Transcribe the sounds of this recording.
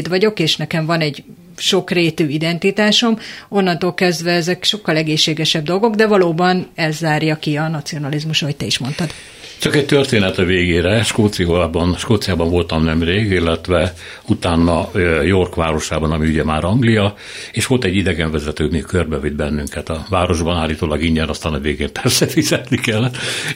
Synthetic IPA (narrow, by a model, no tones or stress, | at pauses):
d̪ʋɒɟo̞keːʃnɛkɛɱvɒnɛɟ | ʃo̞kreːt̪øːid̪ɛnt̪it̪aːʃo̞mo̞nːɒnt̪olkɛzd̪ʋɛɛzɛkʃo̞kːɒlɛɡeːʃːeːɡɛʃɛb̚d̪o̞lɡo̞ɡd̪ɛvɒloːbɒnɛzːaːrjɒkiɒnɒt̪sio̞nɒlizmuʃɒɦo̞c̚t̪ɛiʃmo̞nt̪ɒd̪ | t͡ʃɒkɛc̚t̪ørt̪eːnɛt̪ɛveːɡeːɾɛʃkoːt̪sioːbɒnʃkoːt̪sijaːbɒɱvo̞lt̪ɒmnɛmreːɡilːɛt̪ʋɛ | ut̪aːnːɒjo̞rkʋaːɾo̞ʃaːbɒnɒmiuɟɛmaːɾɒŋɡlijɒ | eːʃʋo̞lt̪ɛɟːid̪ɛɡɛɱvɛzɛt̪øːd̪nikørbɛvid̪bɛnːyŋkɛt̪ɒvaːɾo̞ʒbɒnaːlːiːt̪oːlɒɡiɲɛnɒst̪aːnɒveːɡeːmpɛrsɛfizɛt̪nikɛlːɛt̪ː